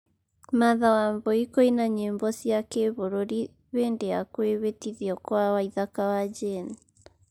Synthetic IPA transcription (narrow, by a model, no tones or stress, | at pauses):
maðawamboikoinaɲeːmbɔsjakeβoɾoɾi | βeːndeakweβetiðiɔkwawaiðakawad͡ʒen